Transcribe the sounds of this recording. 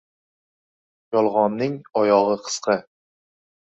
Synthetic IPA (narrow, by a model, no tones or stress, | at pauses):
jɒlˠʁɒnːɪŋɒjɒʁɨqʰɨ̥sqʰɨ